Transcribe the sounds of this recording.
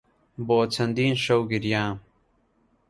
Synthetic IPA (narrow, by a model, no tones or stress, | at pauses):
boːt͡sʰɐnd̪iːnʃɐwɡiɾjãː